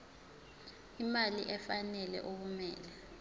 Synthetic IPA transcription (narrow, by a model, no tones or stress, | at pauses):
imaliʔɛfanɛlɛ̰ʔok̬umɛːlɛ